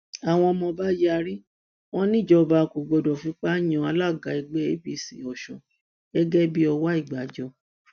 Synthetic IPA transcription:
a˨w̃ɔ̃˧mɔ̃˧ba˦jɛ˦a˧ɾi˦ | w̃ɔ̃˦nĩ˦˨d͡ʒɔ˧ba˧ku˨ɡ͡bɔ˧dɔ˨fĩ˦k͡pa˦j̃ɔ̃˧˦a˧˦la˦˨ɡa˨˦i˧ɡ͡bɛ˦e˦bi˦˨sḭ˨ɔ˨ʃɔ˨ | ɛ˦ɡɛ˦bi˦ɔ˧wa˦i˦˨ɡ͡ba˨˦d͡ʒɔ˧˦

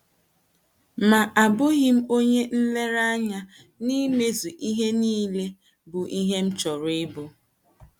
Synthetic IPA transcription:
ma˨ʔa˨bʊ˦ɣi˦m̩˦o˦ɲe˦n̩˦le˦ɾa˦ɲa˦ | ni˦me˦zu˨ʔi˦ɦe˦niː˦le˦ | bʊ˨ʔi˦ɦe˦m̩˦t͡ʃɔ˨ɾɪ˦bo˦

